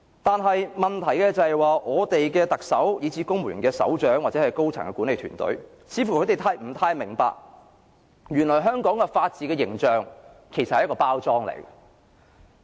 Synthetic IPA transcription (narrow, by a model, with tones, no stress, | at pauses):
t̪aː˨nɦɐ˨jmɐ˨nt̪ʰɐ˨˩jkɛː˧t͡sɐ˨hɛ˨jwaː˨˧ʔɔː˨˧t̪e˨jkɛː˧t̪ɐ˨k̚sɐ˨˥wjiː˨˧˥t͡sʰiː˨˧kʊ˥ŋmuː˨˩nkɛː˧sɐ̰˨˥wt͡ʃœː˨˥ŋwaː˨t͡sɛ˨˥hɐ˨jko˥wt͡sʰɐ̰˨˩ŋkɛː˧kuː˨˥nle˨˧jt̪ʰyː˨˩nt̪ɵ̰˨˥ɥ | t͡sʰiː˨˧fu˨˩kʰɵ˧˥t̪e˨jt̪ʰaː˧˥jm̩˨˩t̪ʰaː˧jmɪ˨˩ŋpa̰ː˧k̚ | jyː˨˩nlɔː˨˩jɦœː˥ŋkɔː˨˥ŋkɛ˧faː˧t̚t͡siː˨˧kɛː˧jɪ˨˩ŋt͡ʃœː˨ŋ | kʰe˨˩jsɐ˨thjkɔː˧paː˥wt͡sɔː˥ŋlḛ˨˩j